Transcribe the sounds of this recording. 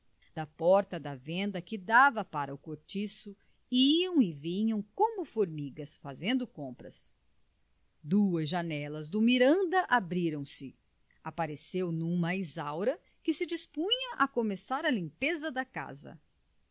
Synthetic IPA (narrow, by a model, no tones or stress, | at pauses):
d̪̥ɐpɔɾt̪ɐd̪ɐvẽnd̪ɐkɪd̪avɐpaɾɐʊkoɾt͡ʃisʊ | iɐ̃w̃ɪvĩɲɐ̃w̃kõmʊfoɾmiɡɐsfazẽnd̪ʊkõmpɾɐ̰s | d̪uɐzʒanɛlɐzd̪ʊmiɾɐ̃nd̪ɐʔabɾiɾɐ̃w̃sɪ | apaɾesewnũmɐizawɾɐ | kɪsɪd͡ʒispũɲɐʔɐkomesaɾɐlĩmpezɐd̪ɐka̰zɐ̰